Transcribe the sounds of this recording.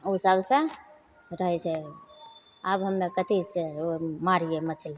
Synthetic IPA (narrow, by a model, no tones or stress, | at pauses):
osəbsə̃ | ɾəɦɛt͡ʃʰɛ | əbɦəmːekət̪iseomaɾiemət͡ʃʰil